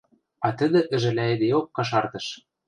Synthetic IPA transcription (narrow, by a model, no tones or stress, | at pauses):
ɑt̪ə̆d̪ɘ̆ʔɘ̆ʒɘ̆læĕd̪eokːɑʃ̬ɑrt̪ɤ̆ʃ